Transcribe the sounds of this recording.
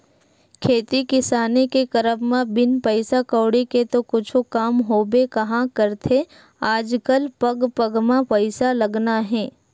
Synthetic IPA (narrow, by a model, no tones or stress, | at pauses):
kʰeːt̪ikɪsaːnekekɐɾəbmãbɪnpəɪsakəːɽeket̪okʊt͡ʃʰokaːmɦoːbekɐɦãkəɾt̪ʰe | aːd͡ʒkəlpɐɡpəɡmãpəɪsalɐɡnaɦɛ̃ː